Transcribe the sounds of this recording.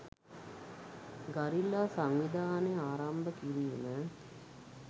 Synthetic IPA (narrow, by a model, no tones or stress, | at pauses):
ɡaɾilːaːsaŋʋid̪ʱaːneaːɾambəkinimə